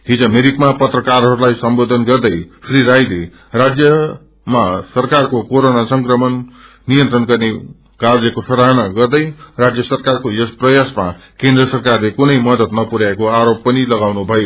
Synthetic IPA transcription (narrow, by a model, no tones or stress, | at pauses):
ɦid͡zʌmeɾikmapʌt̪rʌkarɦʌɾulajsʌmbod̪ʱʌnɡʌrd̪ʌjsʰriɾajd̪i | rad͡zjʌ | masʌrkarkokoɾonasʌŋkrʌmʌnː | ijʌnt̪rʌnɡʌrne | kard͡zʌkosʌɾaɦʌnaɡʌrd̪ʌjrad͡zjʌsʌrkarkojosprʌjasmakend̪rʌsʌrkarlekunʌjmʌd̪ʌt̪nʌpuɾaekoaɾopːʌnilʌɡawnubʱʌjo